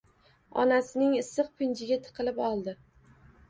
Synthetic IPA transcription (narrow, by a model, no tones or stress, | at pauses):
ɒ̰nasɪnɪŋɪsːɨqpʰɪnt͡ʃʰɪɡʲat̪ʰɨ̥qʰɨlɪpɒlˠd̪ɪ